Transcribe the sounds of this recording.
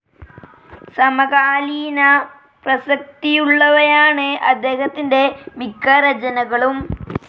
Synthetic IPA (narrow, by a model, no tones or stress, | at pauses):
sɐmɐkaːliːnɐ | prɐsɐk̚t̪ijuɭːɐʋɐjaːɳɨʔɐd̪ːe̞ːhɐt̪ːinde̞mikːɐɾɐd͡ʑɐnɐɣɐɭum